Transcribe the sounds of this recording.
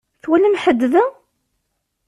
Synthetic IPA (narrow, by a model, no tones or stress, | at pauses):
θwænəmħəd̪ːðæ